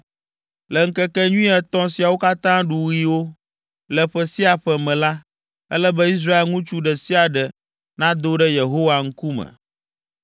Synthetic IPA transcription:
lɛ˨ŋ̩˦kɛ˦kɛ˦ɲũ˦i˦ɛ˨t̪ɔ̃˦si˨a˨wo˦ka˦t̪ã˦ɖu˨wi˦wo˦ | lɛ˨ɸɛ˨si˦a˨ɸɛ˨mɛ̃˨la˦ | ɛ˦lɛ˦bə˦i˦s̬ɾa˦e˨lŋũ˦t͡ʃu˦ɖɛ˨si˦a˨ɖɛ˨ | nã˦d̪o˦ɖɛ˦je˨ɦo˦wa˨ŋ̩˦ku˦mɛ̰˨

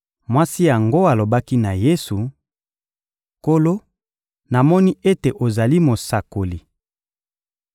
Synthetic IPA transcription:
mwa˦si˦ja˨ŋɡo˦a˨lo˨ba˦ki˦na˨je˦su˨ | ko˦lo˦ | na˨mɔ˦ni˦e˦te˨ʔo˨za˨li˦mo˨sa˨ko˨li˨

